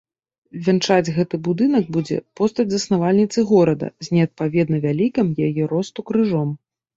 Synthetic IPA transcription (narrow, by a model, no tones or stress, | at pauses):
vʲɛnt͡ʂad͡zʲɣɛt̪ɨbud̪ɨnɐɡ̚bud͡zʲɛ̰pɔst̪ɐd͡zʲzɐsnavalʲnʲit̪sɨɣɔɾɐd̪ɐ̰zʲnʲɛɐt̪̚pavʲɛd̪nɐvʲalʲikɐmjajɛɾɔst̪ukɾɨʐɔm